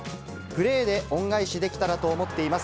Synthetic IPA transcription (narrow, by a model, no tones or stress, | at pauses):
ɡ̥ɯ̟ɾe̞ːd̪e̞õ̞ŋɡaiɕid̪e̞kʲi̥t̪aɾat̪o̞ːmo̞t̪ːe̞imas